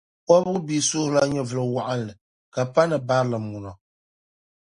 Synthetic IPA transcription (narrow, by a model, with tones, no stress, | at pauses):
kɔ˦bɨ˦ɣɨ˦biː˨sʊ˦hla˦ɲɛ˦vɨ˨lɨ˨wa˦ʔa˦n˨lɨ˨ | ka˨pa˦nɨ˨ba˦ɾlɨ˨mu˨nɔ˨